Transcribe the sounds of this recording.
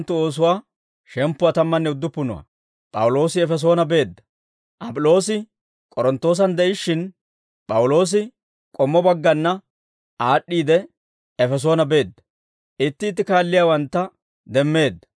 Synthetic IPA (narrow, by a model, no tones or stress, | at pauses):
t̪ːʊoːs̬ʊwaː | ʃɛmpːʊwaːt̪ɐmːɐnːɛʊd̪ːʊpːʊnɔ̰wɐ̰ | pʼɐwʊlo̞ːsɪɛfɛs̬o̞ːnɐbe̞ːd̪ːɐ̥ | ʔɐpʼʊlo̞ːsɪ | kʼɔɾɔnt̪ːo̞ːs̬ɐnd̪ɛʔɪʃːɪn | pʼɐwʊlo̞ːs̬ɪ | kʼɔmːɔbɐɡːɐnːɐ | aːɗːiːd̪ɛ | ɛfɛs̬oːnɐbe̞ːd̪ːɐ̥ | ʔɪt̪ːɪːt̪ːɪkaːlːɪjaːwɐnt̪ːɐ | d̪ɛmːe̞ːd̪ːɐ̥